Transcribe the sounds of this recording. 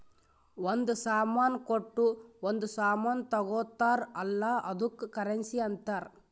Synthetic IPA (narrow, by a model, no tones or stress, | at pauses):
ond̪usaːmaːnkoʈːuond̪usaːmaːnt̪ɐɡɔːt̪ːaːɾɐlːaʔɐd̪ukːkɐɾensiɐnt̪aːɾ